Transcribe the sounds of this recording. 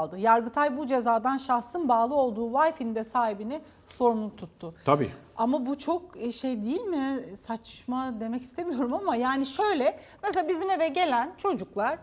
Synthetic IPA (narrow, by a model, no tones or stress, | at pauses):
lˠd̪ɯjaɾɡɯt̪ʰajbud͡ʒe̞zaːd̪anʃaxsɯnbaːlˠɯo̞lˠd̪uːvajfind̪ɛsaːhibinɪ | so̞ɾumlˠut̪ʰut̪ʰːʊt̪ʰabḭː | amabut͡ʃʰo̞k̚ʃe̞jd̪ijilʲmɪsat͡ʃmad̪e̞mɛci̥st̪e̞mijo̞ɾumamajaːniʃø̞jlʲɛ | meselabizime̞vɛɟe̞lʲænt͡ʃʰo̞d͡ʒuklˠaɾ̥